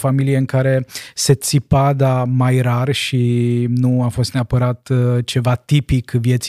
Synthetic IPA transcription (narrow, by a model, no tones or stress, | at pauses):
familijeɨŋkaɾe̞se̞t̪sipad̪amajɾarʃinuafo̞st̪neapəɾat̪t͡ʃe̞vat̪ipikvje̞t̪s